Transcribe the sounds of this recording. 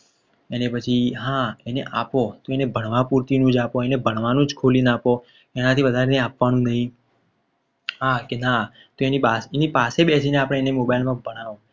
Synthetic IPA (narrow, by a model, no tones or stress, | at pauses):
enepət͡ʃʰiɦãeneʔapot̪oenebʱəɽ̃ʋapuɾt̪inũd͡ʒapoenebʱəɽ̃ʋanũd͡ʒkʰolinapo | kenat̪ʰiʋəd̪ʱaɾeneapʋanũnəɦĩ | ɦakena | t̪oenipasenipaseɓɛsineapəɽ̃eenemobajilmãbəɽ̃aʋo